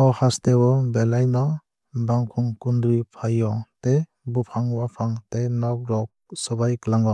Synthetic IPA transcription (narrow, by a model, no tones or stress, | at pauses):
ɔhastewɔbelajnɔ | baŋkʰuŋkundɾipʰajɔte | bupʰaŋwapʰaŋtenɔk̚ɾɔk̚sɔbajklaŋɔ